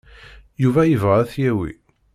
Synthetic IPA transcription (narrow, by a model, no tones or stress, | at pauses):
juvæjəvʁæθjæwḭ